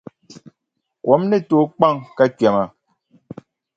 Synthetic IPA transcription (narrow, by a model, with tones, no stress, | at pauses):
kwɔ˨˦mne˦˨to˨˦k͡pa˦˨ŋka˦kjɛ˨ma˨